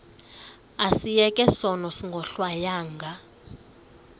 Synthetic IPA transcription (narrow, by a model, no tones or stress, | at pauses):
asijɛkʼɛsɔnɔsiŋɡʱɔɬwajaːŋɡʱa